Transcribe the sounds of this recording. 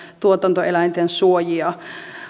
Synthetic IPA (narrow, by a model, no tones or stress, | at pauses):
t̪uot̪ɑnt̪oelæint̪ensuojiɑ